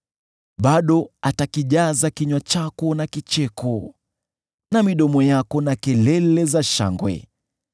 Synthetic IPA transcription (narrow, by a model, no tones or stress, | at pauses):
ɓaɗɔatakiʄazakiɲwat͡ʃakɔnakit͡ʃɛkɔ | namiɗɔmɔjakɔnakɛlɛlɛzaʃa̰ŋɡwɛ̰